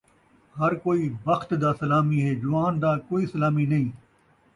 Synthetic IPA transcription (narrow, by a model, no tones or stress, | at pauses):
hɐɾkoːibɐxt̪d̪aːsɐlaːmiɦeːd͡ʒʊʋaːnd̪aːkoːiːsɐlaːminɐĩː